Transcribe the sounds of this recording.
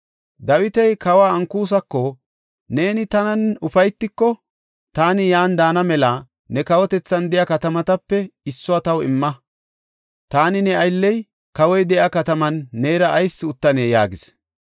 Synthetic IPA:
d̪ɐwɪt̪ɛjkɐwaːɐŋkːuːs̬ɐkːɔ | ne̞ːnɪt̪ɐnɐnʊfɐjt̪ːɪkːɔ | t̪aːnɪjaːnd̪aːnɐmɛlɐ | nɛkɐwɔt̪ɛt͡sːɐnd̪ɛjɐkɐt̪ɐmɐt̪ɐpːɛɪsːɔat̪ɐwɪmːɐ | t̪aːnɪnɛɐjlːɛj | kɐwɔjd̪ɛʔɐkɐt̪ɐmɐnːeːɾɐʔːjsːɪʊt̪ːɐneːjaːɡɪs

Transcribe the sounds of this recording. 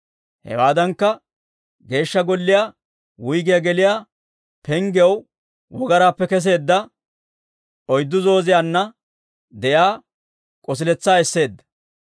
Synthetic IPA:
hɛ̰waːd̪ɐŋkːɐ | ɡe̞ːʃːɐɡɔlːɪjaː | wʊjɡɪjɐɡɛlɪjaː | pɛŋɡw | wɔɡɐɾaːpːɛkɛs̬e̞ːd̪ːɐ | ʔɔjd̪ːʊzo̞ːzɪjanːɐ | d̪ɛjaː | kʼɔs̬ɪlɛt͡sːaːɛsːe̞ːd̪ːɐ̥

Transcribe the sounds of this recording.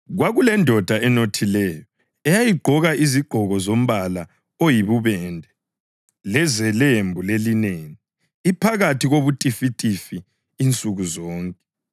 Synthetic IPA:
ɣwaɣulɛndʱɔd̥ʱaɛnotʰilɛjɔ | ɛjajiɡ͡ǃʱɔɣaʔiziɡ͡ǃʱɔɣɔzom̩βala | ojiβuβɛndʱɛ | lɛzɛlembʱulelineːniː | pʰaɣatʰiɣoβutʼifitʼifiː | nt͡sʼuɣuzɔːŋkʼɛ

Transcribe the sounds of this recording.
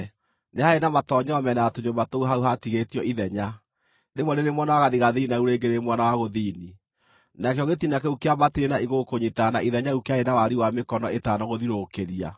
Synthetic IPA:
nehaenamatɔɲɔmɛnaatoɲomatouɦauɦatiɣetiɔʔiðɛɲa | nemwɔneɾemwanawaɣaðiɣaðinauɾeːɡeɾemwanawaɣoðini | nakjɔɣetinakɛukeamatiɾenaiɣokoɲitanaʔiðɛɲaukeaenawaɾiwamekɔnɔetaːnɔɣoðiɾokeɾia̰

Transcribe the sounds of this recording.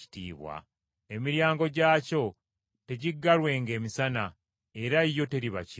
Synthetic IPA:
i̥tḭːβwa̰ | e̞miɾjaːŋɡo̞ɟaːco̞ | te̞ɟiɡːalwe̞ːŋɡe̞ːmisana | e̞ɾaijo̞te̞ɾiβa̰c

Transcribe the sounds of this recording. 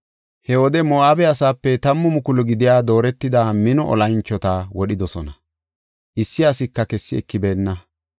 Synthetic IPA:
hɛwɔd̪ɛmɔaːbɛɐsaːpːɛt̪ɐmːʊmʊkʊlɔɡɪd̪ɪjaːd̪o̞ːɾɛt̪ːɪd̪aːmɪnɔʔɔ̰lɐnt͡ʃːɔt̪aːwɔɗɪd̪ɔsɔnɐ | ʔɪsːɪɐsɪkːɐkɛsːɪɛ̰kːɪbe̞ːnːɐ

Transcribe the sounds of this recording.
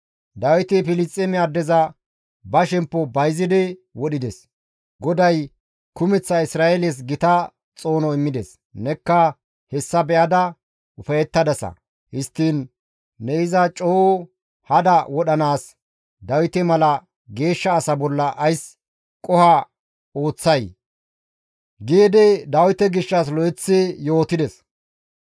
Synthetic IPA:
d̪ɐwɪt̪ɛfɪlɪst͡sʼːɛmɪad̪ɛzɐ | bɐʃɛmpːɔbɐjzɪd̪ɛwɔɗɪd̪ɛs | ɡɔd̪ɐj | kʊmɛt͡sːɐɪsɾaːʔeles̬ɡɪt̪ɐ | t͡sʼo̞ːnɔɪmːɪd̪ɛs | nɛkːɐ | hɛsːɐbɛʔɐd̪ɐ | ʊfɐjɛt̪ːɐd̪ɐsɐ̰ | hɪst̪ːiːnː | ɛɪzɐt͡ʃʼoː | hɐd̪ɐwɔɗɐnaːs | d̪ɐwɪt̪ɛmɐlɐ | ɡe̞ːʃːɐːsɐbɔlːɐʔɐjs | kʼɔhɐ | o̞ːt͡sːɐj | ɡeːd̪ɛd̪ɐwɪt̪ɛɡɪʃːɐslɔɛt͡sːɪjo̞ːt̪ɪd̪ɛs

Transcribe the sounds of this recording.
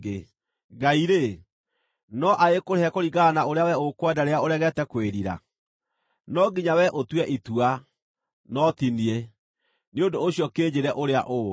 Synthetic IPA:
e | ɡaiɾe | nɔʔaekoɾeɛkoɾiɣanaoɾeawɛokwadaɾeaoɾɛɣɛtɛkweɾiɾa̰ | nɔɡiɲawɛʔotwɛʔitua | nɔtinie | neondoːɕijɔkeːɲd͡ʑeɾɛʔoɾea̰ʔo

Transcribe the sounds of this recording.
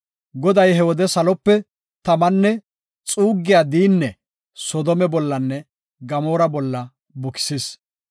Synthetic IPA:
ɡɔd̪ɐjhɛwɔd̪ɛsɐlɔpːɛ | t̪ɐmɐnːɛ | t͡sʼuːɡːɪjaːd̪iːnːɛ | sɔd̪ɔmɛbɔlːɐnːɛ | ɡɐmoːɾɐbɔlːɐ | bɔkɪ̥sɪs

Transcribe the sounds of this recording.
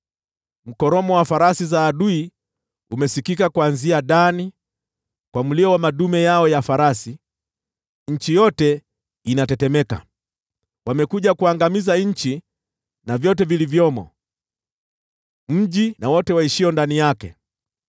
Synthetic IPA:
m̩kɔɾɔmɔwafaɾasizaːɗui | umɛsikikakwanziaɗani | kwamuliɔwamaɗumɛjaɔjafaɾasi | ɲ̩t͡ʃijɔtɛ | inatɛtɛmɛka̰ | wamɛkuʄakuaŋɡamizaɲ̩t͡ʃi | navjɔtɛvilivjɔmɔ̰ | m̩ʄinawɔtɛwaiʃiɔndanijakɛ̰

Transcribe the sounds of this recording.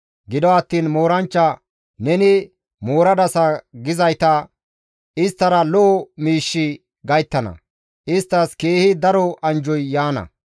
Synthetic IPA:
ɡɪd̪ɔɐt̪ːiːnmo̞ːɾɐnt͡ʃːɐ | nɛnɪ | moːɾɐd̪ɐsɐɡɪzɐjt̪ɐ | ʔɪst̪ːɐɾɐlɔːmiːʃːɪ | ɡɐjt̪ːɐnɐ̰ | ʔɪst̪ːɐskeːhɪd̪ɐɾɔʔɐnd͡ʒɔjːaːnɐ̰

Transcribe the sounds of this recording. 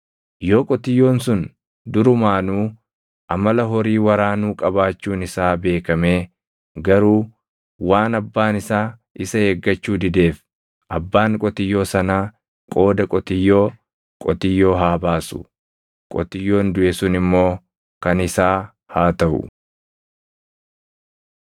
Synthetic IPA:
joːkʼɔt̪ɪjːo̞ːnsʊn | d̪ʊɾʊmaːnuː | ʔɐmɐlɐɦɔɾiːwɐɾaːnuːkʼɐbaːt͡ʃːuːnɪsaːbe̞ːkɐmeː | ɡɐɾuː | waːnɐbːaːnɪsaː | ɪsɐheːɡːɐt͡ʃːuːd̪ɪd̪e̞ːf | ʔɐbːaːŋkʼɔt̪ɪjːo̞ːsɐnaː | kʼo̞ːd̪ɐkʼɔt̪ɪjːo̞ː | kʼɔt̪ɪjːo̞ːɦaːbaːsʊ̰ | kʼɔ̰t̪ɪjːo̞ːnd̪ʊʔesʊnɪmːo̞ː | kɐnɪsaː | haːt̪ɐʔʊ̰

